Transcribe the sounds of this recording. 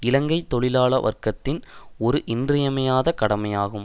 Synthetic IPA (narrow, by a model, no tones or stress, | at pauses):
ɪlɐŋɡɐɪt̪ːɔɭɪlaːɭɐʋɐ̰rkɐt̪ːɪnɔɾɯʔɪndrɪjɐmɐjaːðɐkɐɽɐmɐjaːɣɯm